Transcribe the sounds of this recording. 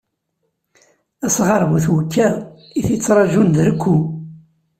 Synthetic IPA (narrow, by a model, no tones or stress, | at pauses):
æsʁɑɾˤmuθwəkʰːæ | iθit͡sːɾˤɑʒund̪ɾəkʷːu